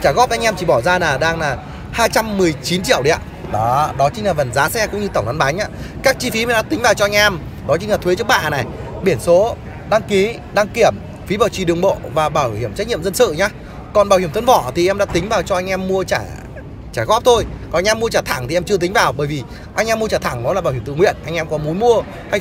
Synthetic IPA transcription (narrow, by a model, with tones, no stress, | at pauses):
t͡ɕaː˧˩ɣɔ˦˥p̚ʔa˧jŋ̟ɛ˧mt͡ɕi˧˩ɓɔ˧˩zaː˧laː˨˩ɗaː˧ŋlaː˨˩ | haː˧jt͡ɕa˧mːɨ˨˩əjt͡ɕi˨˦nt͡ɕḭ˧˨əwɗi˨˦a̰˧˨ | ɗɔ˨˦ɗɔ˨˦t͡ɕï̟˦la˨və˨˩nzaː˨˦sɛ˧kʊ̰˧˥ŋ͡mɲɨ˧t̪ə˧˩ŋ͡mna˨˦nɓaː˨˦ŋ̟ʔaː˧˥kaː˦˥k̚t͡ɕi˧fi˨˦mɛ˨˩ɗa̰ː˧˥t̪ï˨˦ŋ̟vaː˨˩wt͡ɕɔ˧a˧jŋ̟ʔɛ˧m | ɗɔ˨˦t͡ɕï˨˦ŋ̟la˨t̪ʰwe˨˦t͡ɕɨ˦˥ək̚ɓa̰ː˧˨na˨˩jɓi˧˩ənso˨˦ | ɗa˧ŋki˨˦ | ɗa˧ŋki˧˩əm | fi˨˦ɓaː˨˩wt͡ɕi˧˩ɗɨ˨˩əŋɓo̰˧˨vaː˨˩ɓaː˧˩whi˧˩əmt͡ɕa˦˥k̚ɲḭ˧˨mzə˧nsɨ̰˧˨ɲaː˨˧ | kɔ˨˩nɓaː˨˧˩whi˧˩əmt̪ʰə˧˦nvɔ˧˩t̪ʰi˨˩ʔɛ˧mɗa̰ː˧˥t̪ï˨˦ŋ̟vaː˨˩wt͡ɕɔ˧ʔa˧jŋ̟ʔɛ˧mːu˧ət͡ɕaː˧˩ | t͡ɕaː˧˩jɣɔ˦˥p̚t̪ʰo˧jkɔ˨˧jŋʔɛ˧mːu˧ət͡ɕaː˧˩t̪ʰa˧˩ŋt̪ʰi˨˩ʔɛ˧mt͡ɕɨ˧ət̪̬i˨˦ŋ̟vaː˨˩wɓəː˧˩jvi˨˩ | ʔa˧ŋ̟ʔɛ˧mːu˧ət͡ɕaː˧˩t̪ʰa˧˩ŋnɔ˨˦laː˨˩ɓaː˧˩wi˧˩˨t̪ŋwḭ˧˨ənʔa˧ŋ̟ʔɛ˧mkɔ˨˦mu˨˦nmu˧ə | ha˧j